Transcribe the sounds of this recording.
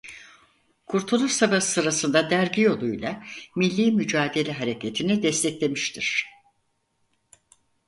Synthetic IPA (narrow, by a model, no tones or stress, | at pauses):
kʰuɾt̪ʰulˠusabḁsɯɾasɯnd̪ad̪æɾɟijo̞lˠujlˠamilʲːiːmyd͡ʒaːd̪e̞lʲɛɦaɾe̞cʰet̪ʰinid̪ɛst̪ʰɛclʲe̞miʃt̪ʰiɾ̥